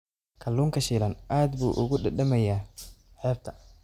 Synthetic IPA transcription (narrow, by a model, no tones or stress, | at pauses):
kʰɐlːuːŋkʰɐʃiːlɐnʔaːd̪buːʔʊ̰ɣʊɖɐɖɐmɐjaːʕɛːb̚t̪ʰɐ